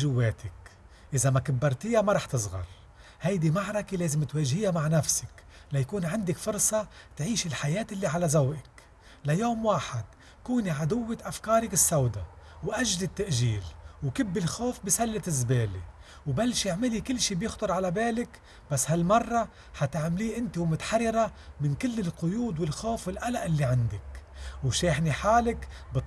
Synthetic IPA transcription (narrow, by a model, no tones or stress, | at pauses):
ʒʊwːeːt̪ɪk | ʔɪzamakabːɑɾˤt̪ɪjamaɾˤɑːħt̪ɨsˤɣɑ̰ɾˤ | hajd̪imaʕɾˤɑkeleːzɪmt̪weːʒhɪjamaʕnafsɪ̥k | lajakuːnʕɪnd̪ɪkfʊɾˤsˤɑt̪ʕiːʃɪlħajeːt̪ʔlːiʕalazawʔɪk | lajoːmwaːħad̪̚ | kuːniʕad̪ʊwːɪʔafkɑːɾˤɪkɪsːawd̪awʔaʒzɪt̪ːaʔʒiːlwkɪbːɪlxoːfbisalːɪt̪ɪzbeːli | wbalːʃjɪʕmɪlikɪlːʃiːbjɪxt̪ʊɾˤʕalabeːlɪk | basːhalmɑrˤːɑ | ħat̪ɪʕmliːʔɪnt̪iwmʊt̪ḁħɑrːɪɾamɪnkɪlːɪlqʊjuːd̪wɪlxoːfwɪlʔalaʔɪlːiʕand̪ɪkwʃeːħniħaːlɪkbɨt̪ː